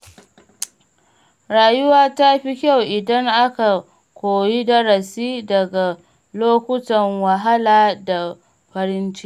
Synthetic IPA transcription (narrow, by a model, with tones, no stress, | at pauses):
ɾaː˨jʊ˦waː˦ta˦ɸi˦kʲa˦˨wʔɪ˨dɐ˦ŋʔa˦ka˨ | kʷoː˨ji˦dɐ˦ɾɐ˨siː˦dɐ˨ɡa˨ | loː˦kʷʊ˦tɐ˨ŋwa˨ɦa˦laː˨da˨ | ɸɐ˨ɾɪ˦nt͡ʃɪ̥˦ʔ